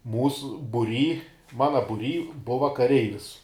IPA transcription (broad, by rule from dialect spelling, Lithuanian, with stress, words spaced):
ˈmuːsʊ bʊˈrʲiː ˈmɑːnɐ bʊˈrʲiː ˈbʊʋɐ kɐˈrʲɛɪʋʲɪs